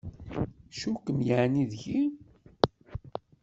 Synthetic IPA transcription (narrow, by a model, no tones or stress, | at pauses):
ʃukəmjəʕniðʝi